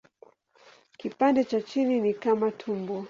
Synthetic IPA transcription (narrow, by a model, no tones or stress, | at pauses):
kipandɛt͡ʃat͡ʃininikamatʰumbɔ